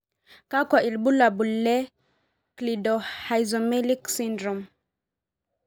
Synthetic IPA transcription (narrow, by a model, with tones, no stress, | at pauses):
ka˦kwa˨ʔi˨lbu˦la˨bu˨lːɛ˦ | kli˨do˨ha˨jzo˨mɛ˦li˦ksi˦ndɾo˨m